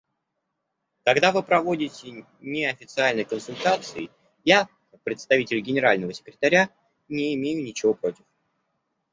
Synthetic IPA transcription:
kɐɡd̪avɨpɾɐvo̞dʲɪtʲɪ | nʲɪɐfʲɪt̪sɨalʲnəjkənsʊlʲt̪at̪sɨɪ | ja | kak̚pɾʲɪt̪st̪ɐvʲitʲɪlʲɡʲɪnʲɪɾalʲnəvəsʲɪ̥kɾʲɪt̪ɐɾʲa | nʲɪɪmʲejʊnʲɪt͡ɕɪvo̞pɾo̞tʲɪf

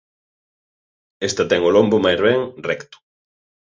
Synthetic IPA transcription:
est̪ɐt̪ɛŋolombʊmajzβɛŋrɛkt̪ʊ̥

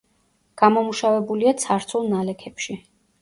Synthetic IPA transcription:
ɡ̥amɔmuʃavɛbuliat̪sʰaɾt̪sʰulˠnalɛkʰɛpʃi

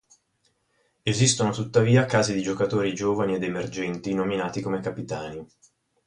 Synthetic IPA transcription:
ezist̪onot̪ut̪ːaviːakaːzid̪id͡ʒokat̪oːɾid͡ʒoːvanied̪emerd͡ʒɛnt̪inominaːt̪ikomekapit̪aːni

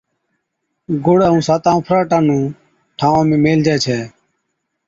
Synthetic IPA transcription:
ɡʊɽaːɦũːsaːt̪ãːũːpʰɾaːʈãːnũː | ʈʰãːʋãːmẽːmeːld͡ʒɛːt͡ʃʰɛː

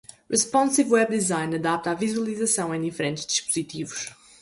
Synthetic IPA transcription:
ʁiʃpɔ̃nsivwɛbd̪izãjnɐðap̚t̪avizwɐlˠizɐsɐ̃w̃ẽj̃d̪ifɾẽnt̪ʒd̪iʃpuz̥it̪ivuʃ

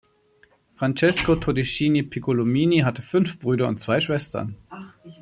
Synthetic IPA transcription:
fʁ̥ant͡ʃɛskotʰodiʃiːnipʰikolomiːniɦatəfʏnfb̥ʁyːɾɐʊ̰ntt͡sv̥aɪʃv̥ɛstʰɐ̰n

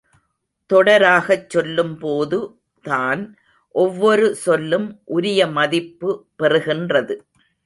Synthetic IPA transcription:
t̪ɔɽɐɾaːɣɐt͡ʃːɔlːɯmpoːðɯ | t̪aːn | ʔɔʋːɔɾɯsɔlːɯmʔʊɾɪjɐmɐðɪpːɯpɛrɯɣɪndrɐðɯ

